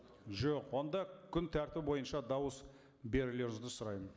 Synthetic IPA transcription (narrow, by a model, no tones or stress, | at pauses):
ʒoqwo̞nd̪ɑkʲʰʏnt̪ʰæɾt̪ɪp̚bo̞jənʃɑd̪ɑwəs | be̞ɾɪle̞ɾɪŋɪzd̪ɪsʊɾɑjmən